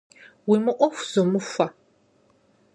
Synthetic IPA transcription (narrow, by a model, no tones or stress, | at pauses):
wimɨʔʷɔxʷz̥ɔmɨfʷɐ